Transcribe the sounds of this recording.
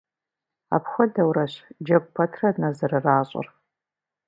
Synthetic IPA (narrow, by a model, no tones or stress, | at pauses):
a̰ːpxʷɔdɐwɾɐɕd͡ʒɐkʷʼpʰɐtʰrɐnɐzɐrɨraːɕʼr